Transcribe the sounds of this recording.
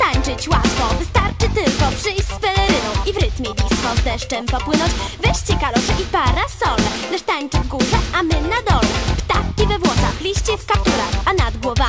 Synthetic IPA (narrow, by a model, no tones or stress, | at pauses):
t̪aɲt͡ʂɘt͡ɕwat̪fɔvɘst̪aɾt͡ʂɘt̪ɘlkɔpʂɘjɕzpɛlɛɾɘnɔ̃w̃ʔivɾɘt̪mʲjɛbʲist̪fɔzd̪ɛʂt͡ʂɛmpɔpwɘnɔ̃ɲt͡ɕvɛɕt͡ɕɛkalɔʂɛʔipaɾasɔlɛnɛʂt̪aɲt͡ʂɘvɡuʐɛamɘnad̪ɔlɛpt̪akkʲivɛvwɔt̪saxlʲiɕt͡ɕɛskap̚t̪uɾa̰xanad̪ɡwɔva